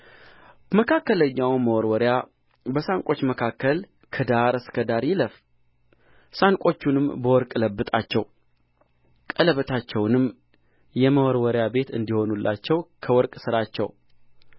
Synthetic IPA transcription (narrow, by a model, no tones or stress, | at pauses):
məkʰakːələɲːawməwɔɾwɔɾja | bəsaŋkʼo̞t͡ʃːməkʰakːəl | kʰəd̪aɾɨskʰəd̪aɾjɪləf | saŋkʼo̞t͡ʃːunɨmbəwɔɾkʼləbːɨt̪ʼat͡ʃːɛ̰w | kʼələβət̪ʰat͡ʃːɛwnɨmː | jɛməwɔɾwɔɾjabe̞t̪ɨ̰nd̪iho̞nulːʔa̰t͡ʃːɛwkʰəwɔɾkʼsɨɾat͡ʃːɛ̰w